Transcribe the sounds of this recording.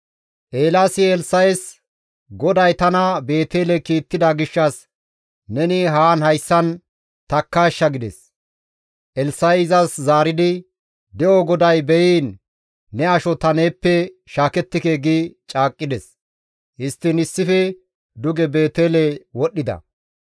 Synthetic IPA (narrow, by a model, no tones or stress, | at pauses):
ʔeːlaːsɪɛlsɐjs | ɡɔd̪ɐjt̪ɐnɐbe̞ːt̪eːlɛkiːt̪ːɪd̪ɐɡɪʃːɐs | nɛnɪɦaːnhɐjsːɐn | t̪ɐkːaːʃːɐɡɪd̪ɛ̰s | ʔɛlsɐjɪzɐszaːɾɪd̪ɪ | d̪ɛoɡɔd̪ɐjbɛjiːnː | ɛɐʃɔt̪ɐne̞ːpːɛ | ʃaːkɛt̪ːɪkeːɡɪt͡ʃʼaːkʼːɪd̪ɛs | ʔɪst̪ːɪnɪsːɪfɛ | d̪ʊɡɛbe̞ːt̪eːlɛwɔɗːɪd̪ɐ̰